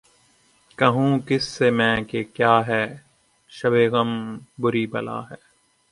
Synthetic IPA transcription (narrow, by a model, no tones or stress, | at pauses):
kɐɦũːkɪsːemɛ̃ːkekjaːɦɛː | ʃɐʋeːɣəmbʊɾiːbɐ̰la̰ːɦɛː